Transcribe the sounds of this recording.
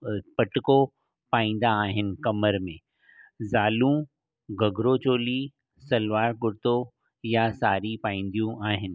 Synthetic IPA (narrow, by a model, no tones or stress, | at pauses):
pɐʈko | paːĩːn̆d̪aːɦɪnɪ̆kɐməɾmẽː | zaːlũ | ɡɐɡɾot͡ɕoːli | sɐlʋaːɾɡʊɾt̪o | jasaːɾipaːĩːn̆d̪ijũʔaːɦɪnɪ̆